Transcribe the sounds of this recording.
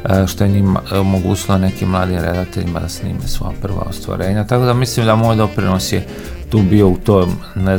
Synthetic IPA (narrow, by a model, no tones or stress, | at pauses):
ʃt̪ojeɲima̰omoɡṵːt͡ɕilone̞kimːlˠaːd̪imɾe̞d̪at̪eʎima̰d̪asnḭːmesʋo̰ja̰pr̩ʋa̰o̰st̪ʋa̰ɾe̞ːɲat̪ako̞d̪amislimd̪amoːjd̪o̞pɾinosje | t̪uːbio̞ut̪om | ne